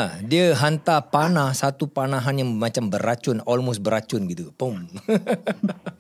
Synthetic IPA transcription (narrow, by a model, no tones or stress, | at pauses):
diəɦant̪apanahsat̪upanaɦanjaŋmat͡ʃambəɾat͡ʃʊnɔlmos̚bəɾat͡ʃʊnɡit̪upom